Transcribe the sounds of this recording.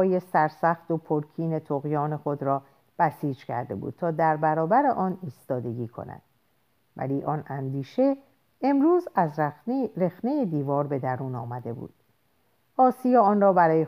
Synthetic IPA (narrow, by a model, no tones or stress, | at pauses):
je̞sæɾsæxt̪opʰoɾkʰiːne̞t̪ʰoɣjɒːne̞xo̞d̪ɾɒː | b̥æsiːd͡ʒcʰæ̰ɾd̪ebṵːd̪̥̚t̪ʰɒːd̪æɾbæɾɒːbæɾeʔɒːniːst̪ɒːd̪e̞ɡiːkʰo̞̰næ̰d̪̥ | væ̰liːʔɒnænd̪iːʃe̞ | emɾuːzæzɾe̞xne̞jed̪iːvɒːɾbe̞d̪æɾuːnɒːmæd̪e̞bṵːd̪̥ | ɒːsijɑːɒːnrɒːbæɾɒːje